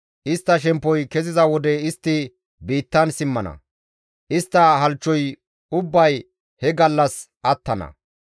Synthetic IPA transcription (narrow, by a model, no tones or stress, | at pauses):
ʔɪst̪ːɐʃ̬ɛmpːɔjkɛzɪzɐwɔd̪ɛɪst̪ːɪ | biːt̪ːɐnsɪmːɐnɐ̰ | ʔɪst̪ːɐɦɐlt͡ʃːɔj | ʊbːɐj | hɛɡɐlːɐs | ʔɐt̪ːɐnɐ̰